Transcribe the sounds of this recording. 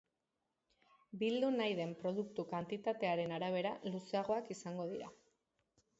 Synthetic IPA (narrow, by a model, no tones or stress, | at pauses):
bild̪unajðe̞mpɾo̞ð̞uk̚t̪ukant̪it̪at̪e̞aɾe̞naɾaβ̞e̞ɾaluseaɣ̞o̞akisaŋɡo̞ðiɾa